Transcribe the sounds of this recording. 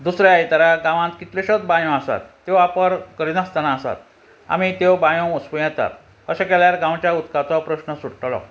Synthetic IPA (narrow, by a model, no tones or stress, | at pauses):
d̪usɾjaajt̪aɾaɡãʋãnt̪kit̪leɕət̪bãjõasa̰t̪ːewapəɾkəɾinast̪anaːsa̰t̪ | a̰mit̪ewbãjõuspəjɛ̃t̪a̰t̪ | əɕakɛljaɾɡãwt͡ɕjaut̪kat̪ɔpɾəɕnəsuɽʈlɔ̰